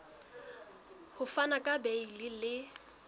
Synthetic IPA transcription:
hʊfanakʼabeilɪlɪ

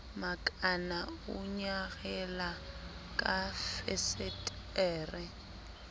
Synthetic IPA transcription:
makʼanaʊɲaɣɛla | kʼafɛsɛt | ɛːrɛ

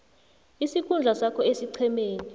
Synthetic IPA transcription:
isikʰund͡ɮʱasakʰɔesiǀʰɛmeːni

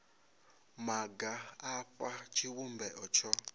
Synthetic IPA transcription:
maɡaːɸat͡ʃʰiwumbɛʔɔt͡ʃʰɔ

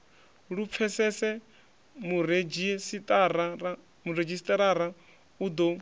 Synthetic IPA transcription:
ɺup̪fʰɛsɛsɛ | muɾed͡ʒisitʼaɾaa | muɾed͡ʒisi̥t̪ʼaɾaɾa | ud̪ɔ

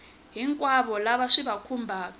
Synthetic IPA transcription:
ɦiŋkʼwaβɔlaβaʂiβakʰumbʱaːk

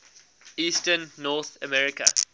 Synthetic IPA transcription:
iːstənːɔθəmɛɹɪkə̰

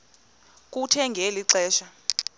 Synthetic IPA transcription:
k̬ʼutʰɛŋɡʱeliǀɛːʃa

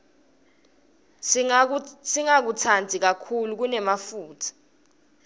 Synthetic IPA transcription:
siŋak̬utʰand͡zʱik̬akʰuluk̬unɛmafuːtʰḁ

